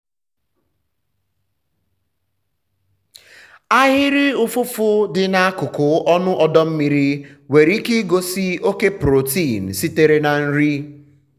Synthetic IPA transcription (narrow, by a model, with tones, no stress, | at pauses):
a˦ɦɪ˦ɾi˦ʊ˦fʊ˦fʊ˦dɪ˨na˦a˦kʊ˨kʊ˨ɔ˦nʊ˦ʔɔ˦dɔ˦m̩˦mi˨ɾi˦we˨ɾi˦ki˦ɡo˦si˦o˦ke˦pɾo˨ti˦˨n̩˨si˦te˦ɾe˦na˨n̩˦ɾi˦